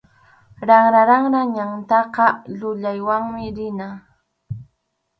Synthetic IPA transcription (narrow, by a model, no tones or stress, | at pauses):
ɾaŋɾaɾaŋɾaɲaŋt̪ɑqɑʎʊʎajwaŋmɪɾɪna